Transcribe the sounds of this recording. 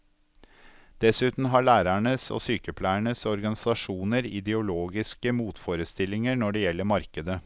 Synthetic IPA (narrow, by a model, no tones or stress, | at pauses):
d̪̥ɛsʉːt̪n̩ɦɑɭæːɾæɳəso̰ːsyːkəpʰlæɪəɳəsɔɾɡɑnɪsɑʂuːnəɾɪ̰d̪ɛʊloːɡɪskəmuːt̪foːɾəst̪ɪlɪŋəɾnɔɖɛjɛlːəɾmɑɾkəd̪ə